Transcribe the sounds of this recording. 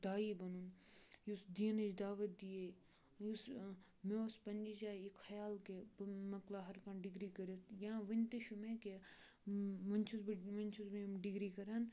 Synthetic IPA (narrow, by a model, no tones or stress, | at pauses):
d̪aːibɐnunjusd̪iːnɐd͡ʒd̪aːʋət̪̚d̪ije | us | mẽospɐnd͡ʒit͡ʃaːekxɐjaːlkebmɐklaɦɐɾkãɖɪɡɾikɐɾet̪ʰjɐãʋɐnʲt̪eʃumẽke | mɐnt͡ʃʰusmɐnʲt͡ʃʰuzmẽmɖɪɡɾikɐɾaːn